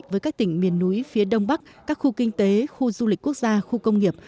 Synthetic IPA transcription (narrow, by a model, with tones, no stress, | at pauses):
vəː˨˦jkaː˦˥k̚t̪ï˧˩ŋ̟mi˨˩ənːu˨˦jfi˨˦əɗə˧wŋ͡mɓa˦˥k̚ | kaː˦˥k̚xu˧kï˧ŋ̟t̪e˨˦xu˧zu˧li̟˨˩ku˦˥ək̚zaː˧xu˧kə˧wŋ͡mŋi˨˩əp̚